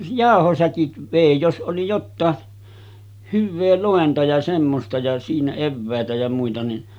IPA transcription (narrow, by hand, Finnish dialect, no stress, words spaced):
jɑˑohosækit ʋeˑi jos ʔoli jotːɑː hyʋːeː loˑentɑ jɑ semːostɑ jɑ siːnæ eʋːæˑetæ jɑ muitɑ ni